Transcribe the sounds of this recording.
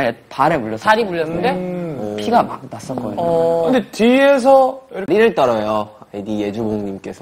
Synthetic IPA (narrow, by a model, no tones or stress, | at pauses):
epaɾemuʎːʌsaɾimuʎːʌnːɯndepʰiɡama̰k̚nas͈ʌk͈ʌkɯnde̞ties̬ʰʌiɾɾiɾɯɭt͈ʌɾʌjoedije̞d͡ʑuboŋɲimk͈e̞sʰʌ